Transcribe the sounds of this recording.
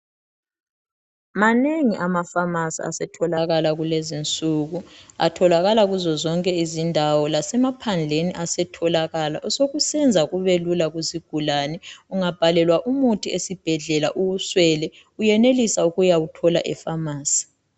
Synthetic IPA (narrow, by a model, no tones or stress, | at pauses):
maneŋiʔamafamasḭa̰sɛtʰɔlaɣalaɣulezint͡sʼuɣua̰tʰɔlaɣalaɣuzɔzɔŋkʼɛizindʱawɔlasɛmapʰand͡ɮʱeniʔasɛtʰɔlaɣalaʔɔsoɣusɛnd͡zʱaɣuβelulaɣuziɡ̥ʱulanɛuŋab̥ʱalɛlwaʔumutʰʼiesib̥ʱɛɮɛla̰ʔuɣuswɛːlɛ | ujɛnelisauɣujawutʰɔla̰ʔɛfamaːsi̥